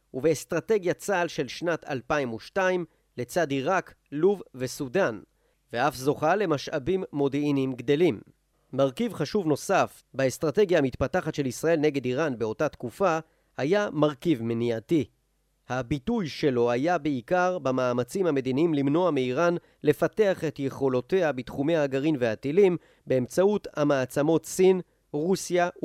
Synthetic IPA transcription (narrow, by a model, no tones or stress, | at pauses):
uveːst̪ʁate̞ɡjat͡salʃe̞lʃnatʰa̰lpaimuʃtaim | le̞t͡sadiʁak | luvvesudan | veʔafzo̞χale̞maʃabimːo̞d̪einimɡd̪e̞lim | maʁkivχaʃuvno̞saf | baest̪ʁate̞ɡjamit̪pataχatʃe̞lisʁae̞lne̞ɡe̞diʁanbeo̞tat̪kufa | hajamaʁkivmniati | habitujʃe̞lo̞ajabeikaʁbamaːmat͡simhame̞diniimlimno̞amiiʁan | le̞fate̞aχe̞tje̞χo̞lo̞te̞abitχume̞aːɡaʁimveatilim | beːmt͡sauthamaːt͡samo̞tsin | ʁusja